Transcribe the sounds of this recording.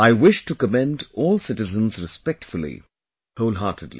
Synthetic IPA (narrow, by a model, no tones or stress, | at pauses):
aɪwɪʃʈukəmɛ̃nɖɔːlsɪʈɨzə̃nzɾɪspɛk̚ʈfʊl̩ˠḭ | hoʊlˠɦaːʈʰədlḭ